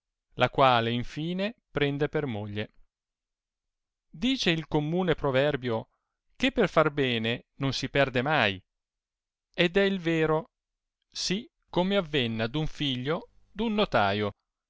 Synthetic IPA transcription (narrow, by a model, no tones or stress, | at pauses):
lʔakwaːleiɱfiːnepɾɛnd̪epermoʎːe | d̪iːt͡ʃeilkomːuːnepɾovɛrbjo | kepːerfarbɛːnenonsipɛrd̪emaj | ed̪ɛilveːɾo | si | kːomeavːenːad̪uɱfiʎːo | d̪unːot̪aːjo